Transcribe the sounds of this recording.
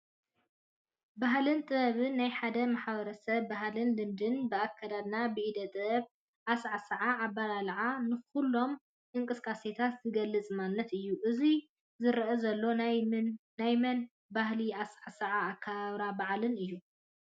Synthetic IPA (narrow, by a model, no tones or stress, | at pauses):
baɦlɨnt̪ʼɨɐβɨnːajħad̪ɐmaħβɐɾɐsɐβːaɦlɨnlɨmd̪ɨnbɨakʰːad̪ad̪nabɨʔid̪ɐt̪ʼɐβ | ʔasʕasɨʕaːbːalalʕanɨxulːo̞m | ʔɨŋkʼɨskʼase̞t̪ʰat̪zɨɡɐlːɨt͡sʼɨmanːɐt̪ɨjːuʔɨzi | zɨɾʔɐzɐlːo̞n | najmɐn | bahliasʕasɐʕaːkʰːaβaβɾabaʕlɨnɨjːu